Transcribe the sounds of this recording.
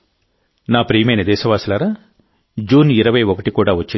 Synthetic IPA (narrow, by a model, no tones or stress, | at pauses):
naːpɾiːjɐmɐjnɐd̪ɛːʃɐʋaːsilaːɾa | d͡ʒuːniɾɐʋɐjɔkɐʈikuːɽaːʋɐt͡ʃːi